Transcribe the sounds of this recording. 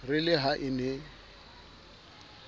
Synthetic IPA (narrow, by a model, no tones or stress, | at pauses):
rɪlɪɦaʔɪnɛ